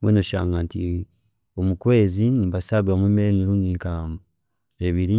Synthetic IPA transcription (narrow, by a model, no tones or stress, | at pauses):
wenoʃa̰ŋɡantḭ | omukwezinimbasaβiwamwemeeŋiɾuːndikama | eβiɾi